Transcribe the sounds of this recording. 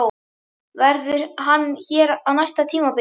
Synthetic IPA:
vɛɾðʏɾ̥ɦanːçɛːɾawnajst̪at̪ʰiːmapɪ

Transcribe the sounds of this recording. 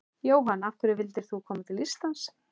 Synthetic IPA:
joːwɦanːafkʏɾɪvɪlt̪ɪɾ̥θukʰɔːmat̪ʰɪlist̪lans

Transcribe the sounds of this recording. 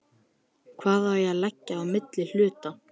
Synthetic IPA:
kʰvaːðawjɛalɛcːaːwmɪt̪lɪl̥ʏːt̪a

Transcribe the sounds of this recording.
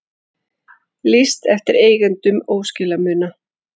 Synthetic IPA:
list̪ɛft̪ɪɾeːjɣɛnt̪ʏmoːwscɪlamʏːna

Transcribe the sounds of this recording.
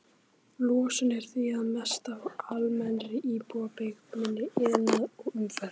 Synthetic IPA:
lɔːsʏnɛɾ̥θiaðmɛst̪avalmɛnɾɪʔiːpuapejkmɪnːɪɪnaðɔɣʏmfɛɾ

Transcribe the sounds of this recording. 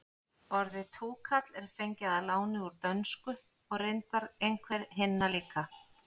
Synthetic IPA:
ɔɾðɪt̪ʰuːkʰat̪lɛɾ̥fejɲcɪðalaːwnɪuɾt̪œnskʏ | ɔɣreɪnt̪aɾejŋkʰvɛɾɦɪnːaliːka

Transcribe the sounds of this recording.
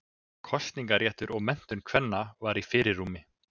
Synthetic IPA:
kʰɔst̪niŋkaɾrjɛːt̪ʏɾʔɔɣmɛn̥t̪ʏnkʰvɛnːavaɾifɪːɾɪrːuːmɪ

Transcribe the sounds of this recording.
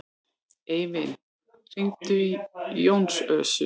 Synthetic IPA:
ejmɪn | r̥iŋt̪ʏijownsœːsʏ

